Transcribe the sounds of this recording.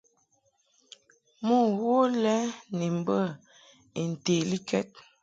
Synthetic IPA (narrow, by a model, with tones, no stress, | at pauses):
mo˦˨wo˦lɛ˦ni˨m˨bə˦˨ | e˨n̩˨te˨li˦kɛ̰˦t̚